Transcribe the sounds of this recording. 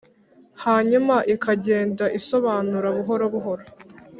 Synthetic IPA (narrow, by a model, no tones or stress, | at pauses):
haːɲumaʔikaɟe̞ːndaʔiso̞βaːnuɾaβuɦo̞ɾoβuɦo̞ɾo